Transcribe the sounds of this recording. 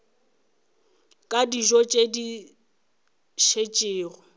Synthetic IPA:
kʼadiʒɔt͡ʃʼedi | ʃet͡ʃʼɪːrɔ

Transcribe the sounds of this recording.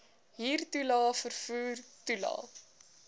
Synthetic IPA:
ɦiːrtulɑːfərfuːrtulɑ̰ː

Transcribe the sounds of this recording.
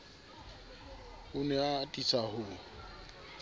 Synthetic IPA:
hʊnɛatʼisʰahʊ

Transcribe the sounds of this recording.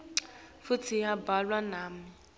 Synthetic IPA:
futʰijabalwanaːmi

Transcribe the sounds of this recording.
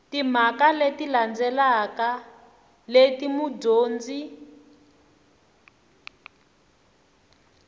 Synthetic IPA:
tim̤akaletiland͡zɛlaka | letimudoːnd͡zi

